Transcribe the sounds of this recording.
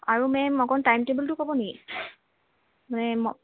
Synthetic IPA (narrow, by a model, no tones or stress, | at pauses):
aɹumɛmɔkɔntajmtebəltʊkɔbɔneki | manɛmɔ